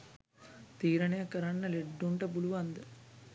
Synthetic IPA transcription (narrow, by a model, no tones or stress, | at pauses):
t̪iːɾɐɳɐjɐkɐɾɐɳːɐleɖːuɳʈɐbuluʋɐnd̪ɐ